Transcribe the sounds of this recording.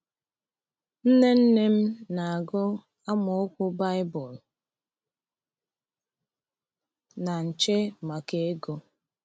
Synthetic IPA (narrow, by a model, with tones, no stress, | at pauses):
n̩˦ne˦n̩˦ne˦m̩˦na˨a˨ɡʊ˦ | a˦mʊ˨˦kʷʊ˦ba˦ɪ˦bʊ˨l | na˨n̩˨t͡ʃe˦ma˨ke˦e˦ɡo˦